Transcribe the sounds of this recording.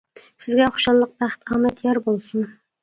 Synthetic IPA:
sɪzɡʲɛχʊ̥ʃɑnlˠəq̚bæχt̪ʰɑːmæt̪ʰjɑɾbolˠsʊn

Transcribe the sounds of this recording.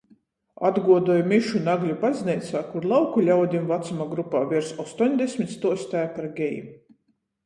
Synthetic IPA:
ad̪ɡuɔd̪uɔjmiʃunaɡlʲupazniɛt̪saːkuɾlˠawkulʲawd̪ʲimvat̪sumaɡɾupaːvʲiɾsɔst̪uɔnʲd̪ɛsʲmʲit̪st̪uɔsʲt̪ajpaɾɡʲɛjḭ

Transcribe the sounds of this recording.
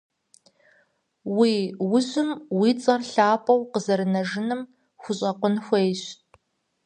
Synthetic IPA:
wiːwʊzʊmwiːt͡sʼɐrɬaːpʰʼɐwqəzɐɾɨnɐʒɨnɨm | xʷʊɕʼɐqʷʊnxʷejɕ

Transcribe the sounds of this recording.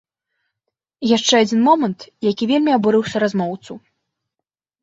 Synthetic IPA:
jaʂt͡ʂɛad͡zʲinmɔmɐnt̪jakʲivʲelʲmʲiabɔɾɨwsʲɐɾazmɔwt̪su

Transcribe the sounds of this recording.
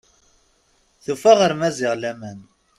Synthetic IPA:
θufæʁəɾmæzɪʁlæmæn

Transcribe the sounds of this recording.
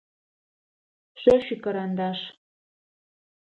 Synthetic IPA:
ʃøʃykɤɾɑnd̪ɑʃ

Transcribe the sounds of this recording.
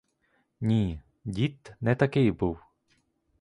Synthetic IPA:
nʲi | dʲit̪nɛt̪ɐkɪjbuw

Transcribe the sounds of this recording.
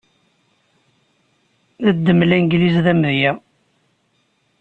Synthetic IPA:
ðæd̪ːəmlænɡlizðæmðjæ

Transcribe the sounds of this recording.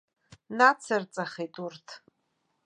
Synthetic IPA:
nat͡sʰart͡sʼaχetʼurtʰ

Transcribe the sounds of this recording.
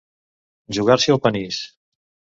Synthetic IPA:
ʒuɣaɾsiəlˠpənis

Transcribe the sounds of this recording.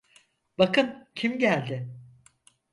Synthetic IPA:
bakɯncʰimɟælʲd̪ɪ

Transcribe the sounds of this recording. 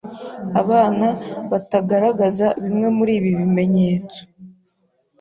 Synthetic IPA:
aβaːnaβataɡaɾaɡazaβimŋe̞muɾiːβiβime̞ɲe̞ːt͡so̥

